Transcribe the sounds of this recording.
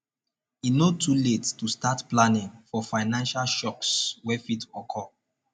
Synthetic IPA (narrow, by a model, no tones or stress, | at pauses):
inotʰuletːustatplanĩŋfɔfaɪnãnʃalʃɔkswɛfitʰɔkʰɔ